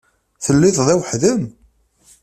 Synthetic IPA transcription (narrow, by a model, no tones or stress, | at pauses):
θəlːiθðˤæwħðən